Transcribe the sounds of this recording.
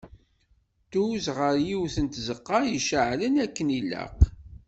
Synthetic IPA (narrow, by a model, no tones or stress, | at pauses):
t̪uzʁəɾjiwθənt̪zəqːɑjiʃəʕlənækːənilːə̰q